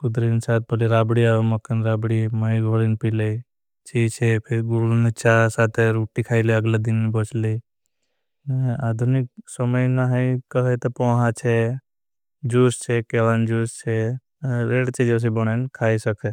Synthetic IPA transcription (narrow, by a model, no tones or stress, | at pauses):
kʊd̪ɾinsaːt̪̚pɐliɾaːbɽiaːemɐkənɾaːbɽiməiɡʱolinpile | t͡ʃiːt͡ʃʰepʰɪɾɡuɽunet͡ʃasaːt̪ʰeɾuːʈikʰaːileəɡlad̪inmebot͡ʃʰli | aːd̪ʱunik̚sɔməjnaɦə̃ikəɦet̪opoːɦãt͡ʃʰe | d͡ʒuːst͡ʃʰekeʋand͡ʒuːst͡ʃʰe | ɾeːɽt͡ʃid͡ʒos̬ibəɽ̃enkʰaːisɐkʰe